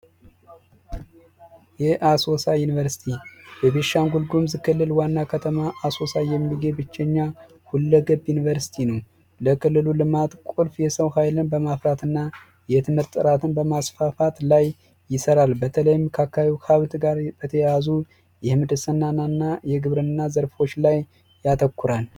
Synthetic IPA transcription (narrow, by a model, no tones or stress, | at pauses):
jɛʔaso̞sajunivəɾsi̥t̪ʰibɛβeʃaŋɡulɡumzkʰɨlːɨlwanːakʰət̪ʰəmaʔaso̞sajɛmːiɡebɨt͡ʃːɛɲːa | hulːəɡəbjunivəɾsi̥t̪ʰinəw | ləkʰɨlːɨlulɨmat̪kʷʼulfjɛsəwhajlɨnbəmafɾat̪ʰɨnːa | jɛt̪ʰɨmɨɾt̪ʼːɨɾat̪ʰɨnbəmasfafat̪lajː | ɪsəɾalbət̪ʰələjmːkʰakːaβiwhʰaβt̪ʰɡaɾb̥ət̪ʰəjazu | jɛhɨmɨd̪ɨsənːananːajɛɡɨβɾɨnːazəɾfo̞t͡ʃːlajː | at̪ʰəkːuɾal